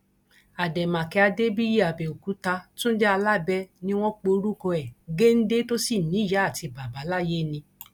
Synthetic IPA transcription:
a˨dɛ˨mã˨kɛ˧a˧de˦bi˦ji˦˨a˨bɛ˨o˨ku˨˦ta˧tũ˦n̩˦d͡ʒɛ˦a˧la˦bɛ˦nĩ˧w̃ɔ̃˦k͡po˧˦ɾu˦kɔ˧ɛ˨ɡe˦n̩˦de˦to˦si˦˨nĩ˨˦ja˨˦a˦˨ti˧ba˨ba˨˦la˦je˦nĩ˧

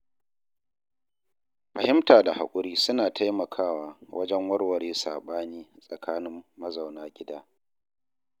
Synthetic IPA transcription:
ɸɐ˨hɪ˦mtaː˨da˨ha̰˨kʷʼʊ˦ɾiː˦sʊ˦naː˨tʰa˦jmɐ˨kʰaː˦˨waː˨wʔɐ̰˦d͡ʒɛ˦ŋwɐ˦rwɐ˨ɽeː˦sa̰ː˨ɓaː˦niː˦sʼɐ˨kʰaː˦nɪ˦mːɐ˦za˨wnaː˦ɡʲɪ˦daː˦

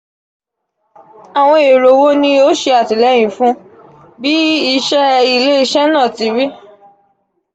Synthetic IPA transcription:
a˨w̃ɔ̃˧e˨ɾo˨wo˦nĩ˧o˦ʃe˧a˨ti˨lɛ˨˦j̃ĩ˨˦fũ˦ | bi˦i˧˦ʃɛ˦i˧le˦i˦˧ʃɛ˦nã˦˨ti˨˦ɾi˦

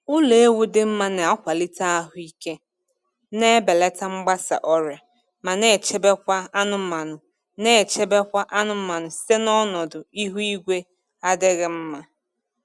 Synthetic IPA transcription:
ʊ˦le˨e˦wu˦dɪ˦m̩˦ma˦ne˨a˦kʷa˨li˦ta˦a˦ɦʊ˨˦i˦ke˦ | ne˦be˨le˦ta˦ŋ͡m̩˦ɡ͡ba˦sa̰˨ʔɔ˦ɾja˨ | ma˨ne˨t͡ʃe˦be˦kʷa˦a˦nʊ˦m̩˦ma˨nʊ˨ | ne˦˨t͡ʃe˦be˦kʷa˦ʔa˦nʊ˦m̩˦ma˨nʊ˨si̥˦te˦nɔ˦nɔ˨dʊ˨i˦ɦu˦i˦ɡʷe˦ | a˦dɪ˦ɣɪ˦m̩˦ma˦

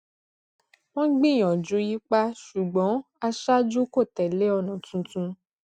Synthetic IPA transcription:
wɔ̃˦ɡ͡bĩ˦˨j̃ɔ̃˨d͡ʒũ˨˦ji˦k͡pa˦ʃu˨ɡ͡bɔ̃˨˦ | a˧ʃa˦d͡ʒu˦ko˦˨tɛ˨le˨˦ɔ˧˨nɔ̃˨tũ˧tũ˧

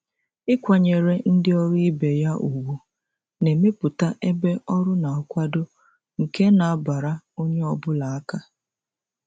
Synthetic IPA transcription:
ɪ˦kʷa˨ɲe˨ɾe˦n̩˦dɪ˦ɔ˦ɾi˦be˨ja˦ʔu˨wu˨ | ne˨me˦pʊ˨ta˦ʔe˦be˦ɔ˦ɾʊ˦na˨ɔ˨kʷa˦do˦ | ŋ̩˨ke˦na˨a˦ba˨ɾa˦o˦ɲe˦ɔ˨bʊ˦la˨a˦ka˦

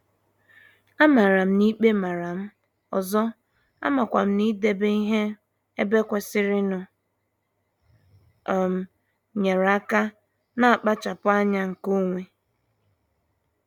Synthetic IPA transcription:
a˦ma˨ɾa˨m̩˦ni˦k͡pe˦ma˨ɾa˨m̩˦ | ɔ̰˨zɔ˦ | a̰˦ma˨kʷa˨m̩˦ni˦de˨be˦i˦ɦe˦ | e˦be˦kʷa˨sɪ˦ɾɪ˦nʊ˨ | ɔ˨m̩˨ | ɲe˨ɾa˨a˦ka˦ | na˦a˨k͡pa˦t͡ʃa˨pʊ˦a˦ɲa˦ŋ̩˨ko˦ŋʷe˨

